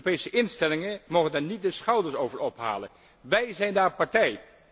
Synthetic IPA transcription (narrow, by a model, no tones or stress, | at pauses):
pejsəʔɪnstɛlɪŋəmowχəndaːɹnit̚dəsχɑwdəɹsowvəɹɔpɦa̰ːlə̰n | ʋɛjzɛjndaːɹpaɹtɛj